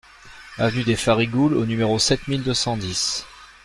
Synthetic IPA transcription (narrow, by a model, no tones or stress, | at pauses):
avnyd̪efaʁiɡulonymeʁosɛt̪mild̪øsɑ̃d̪is